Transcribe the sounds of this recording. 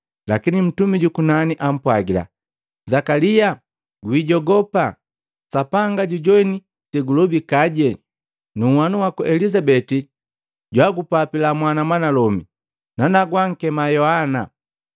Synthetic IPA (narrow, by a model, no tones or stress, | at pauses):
lakinim̩tumiɟukunaniʔam̩pwaɡila̰ | zakalija | ɡwiɟɔɡɔpa | sapaŋɡaɟuɟɔini | sɛɡulɔbikaɟɛ | nuwanuwakuʔɛlizabɛti | ɟwaɡupapilamwanamwanalɔmi | nanaɡwaŋ̩kɛmajɔhana